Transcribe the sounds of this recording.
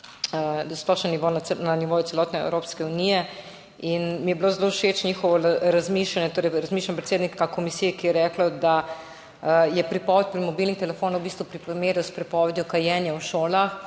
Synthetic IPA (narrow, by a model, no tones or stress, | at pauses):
əsplɔʃɛniʋonnaniʋoːjut̪sɛlɔːt̪nɛɛ̰wɾoːpskɛunijɛ | inmijɛblozlowʃeːt͡ʃnʲixɔʋɔɾazmiːʃlanjɛt̪oːɾɛjɾazmiʃlanpɾet̪seːd̪nikakomisijɛkijɛɾɛːklɔd̪a | jɛpɾipɔːʋɛt̪̚ʲpɾimɔbilnixt̪ɛlɛfoːnowbist̪ʋupɾimeːɾjɔspɾipɔːʋɛd̪jɔkajɛːnjawʃoːlax